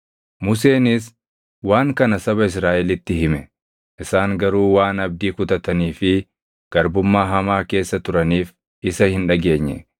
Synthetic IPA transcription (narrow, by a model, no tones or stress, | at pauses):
mʊs̬e̞ːnɪs | waːŋkɐnɐsɐβɐɪs̬ɾaːʔɛlɪt̪ːɪɦɪmɛ | ʔɪsaːŋɡɐɾuːwaːnɐb̚d̪iːkʊt̪ɐt̪ɐniːfɪ | ɡ̥ɐɾbʊmːaːɦɐmaːke̞ːsːɐt̪ʊɾɐniːf | ʔɪsɐhɪnᶑɐɡe̞ːɲːɛ̰